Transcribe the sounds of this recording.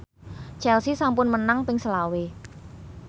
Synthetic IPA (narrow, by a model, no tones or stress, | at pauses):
t͡ʃɛlsisampʊnmənaŋpɪŋsəlawe